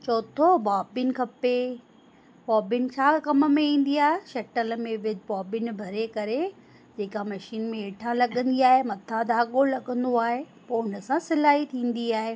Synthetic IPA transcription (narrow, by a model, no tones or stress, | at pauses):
t͡ɕoːt̪ʰobaːbɪn̆kʰɐpe | bɔːbɪnɪ̆t͡ɕʰaːkɐmə̆mẽĩːn̆d̪iaːɦeʃɐʈəlmẽʋɪd̪bɔːbɪnɪ̆bʱɐɾekɐɾe | d͡ʑeːkamɐʃiːnmẽeːʈʰãlɐɠə̃nd̪iaːɦemɐt̪ʰad̪aːɠolɐɠə̃nd̪oaːɦe | poːʊnəsãsɪlaːɦit̪ʰĩːn̆d̪iaːɦe